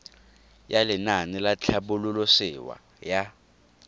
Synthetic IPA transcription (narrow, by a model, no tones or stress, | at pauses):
jalɪnanɪlat͡ɬʰabʊlʊlʊsɪwa̰ | ja